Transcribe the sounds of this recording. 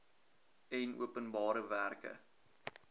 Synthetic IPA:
ɛnṵəpənbɑːɾəværkə̰

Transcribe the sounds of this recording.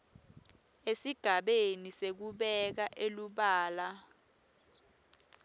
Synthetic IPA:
esiɡ̥ʱaɓenisek̬uɓɛk̬aʔeluɓaːla

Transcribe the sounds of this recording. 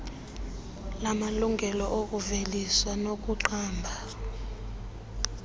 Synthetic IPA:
lamaluŋɡʱɛlɔʔok̬ʼuveliswanok̬ʼuǃaːmbʱa

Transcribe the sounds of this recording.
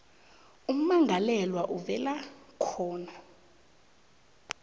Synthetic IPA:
um̩maŋɡʱalɛlwaʔuvɛlakʰɔːna

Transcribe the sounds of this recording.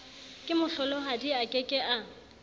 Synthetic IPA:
kʼɪmʊɬɔlɔɦadiakʼɪkʼɪʔa

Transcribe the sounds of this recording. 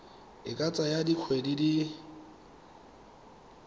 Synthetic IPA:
ɪkʼat͡sʼajadiq͡χʰwedidi

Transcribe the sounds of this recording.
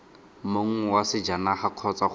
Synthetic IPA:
moŋ̩wasɪd͡ʒanaχakʰɔt͡sa

